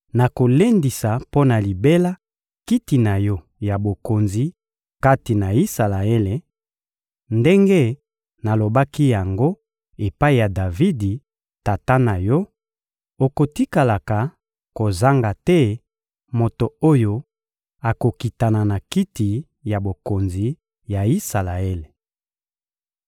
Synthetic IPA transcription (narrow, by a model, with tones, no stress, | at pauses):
na˨ko˨le˦ndi˨sa˨po˦na˨li˨be˦la˦ | ki˦ti˨na˨jɔ˦ | ja˨bo˨ko˨nzi˨ | ka˦ti˨na˨i˦sa˨la˨e˦le˨ | nde˦ŋɡe˦ | na˨lo˨ba˦ki˦ja˨ŋɡo˦ | e˨pa˦i˨ja˨da˨vi˦di˨ | ta˨ta˦na˨jɔ˦ | o˨ko˨ti˦ka˨la˨ka˨ | ko˨za˦ŋɡa˨tɛ˦ | mo˨to˨o˦jo˦ | a˨ko˨ki˨ta˨na˨na˨ki˦ti˨ | ja˨bo˨ko˨nzi˨ | ja˨i˦sa˨la˨e˦le˨